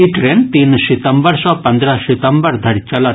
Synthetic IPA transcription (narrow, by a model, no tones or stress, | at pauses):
iʈɾeːnt̪iːnsit̪əmbəɾsɔpɐ̃nd̪ɾasit̪əmbəɾd̪ʱɐɽʲt͡ʃɐlɐt̪